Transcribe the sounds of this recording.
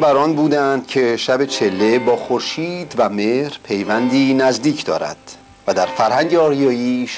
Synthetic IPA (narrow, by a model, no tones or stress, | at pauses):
bæɾɒːnbuːd̪ænd̪̥̚cʰe̞ʃæbe̞t͡ʃʰe̞lːe̞bɒːxoɾʃiːd̪væme̞hɾpʰe̞jvænd̪iːnæzd̪iːcʰd̪̥ɒ̰ːɾæ̰d̪̥ | væd̪æɾfæɾhæŋɟeɒːɾjɒːjiːʃ